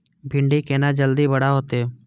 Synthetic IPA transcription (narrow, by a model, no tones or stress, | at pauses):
bʱɪ̃ɳɖiːkeːnaːd͡ʒəld̪iːbəɽaːɦoːt̪eː